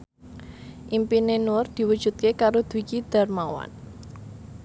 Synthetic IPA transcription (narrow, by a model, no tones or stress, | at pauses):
ʔimpinenʊrd̪̥i̤wu̥ʒ̥ṳt̪̚kekaɾod̪̥wikid̪̥a̤rmawa̰n